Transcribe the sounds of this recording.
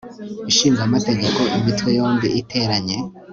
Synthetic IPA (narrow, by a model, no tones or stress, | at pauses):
iʃiːŋɡamate̞ɡe̞ko̞ʔimitwejo̞ːmbiʔitʰe̞ɾaɲe̞